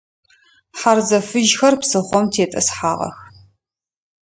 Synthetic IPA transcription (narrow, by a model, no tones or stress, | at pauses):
ħarzɐfɨʒxɐrpsɨχʷɔmtʰeːtʼɐ̰sħaːʁɐ̰x